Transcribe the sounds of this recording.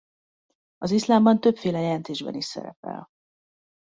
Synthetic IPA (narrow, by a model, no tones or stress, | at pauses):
ɒzislaːmbɒnt̪ø̞pfeːlɛjɛlɛnt̪eːʒbɛ̰niʃsɛ̰ɾɛ̰pɛ̰l